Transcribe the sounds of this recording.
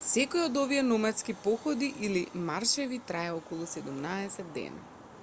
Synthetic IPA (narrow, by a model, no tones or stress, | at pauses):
sɛkojod̪oviɛnɔmɛt̪skipɔxɔd̪iʔilimaɾʃɛvit̪ɾaɛɔkɔlˠusɛd̪umnaɛsɛd̪ːɛ̰na̰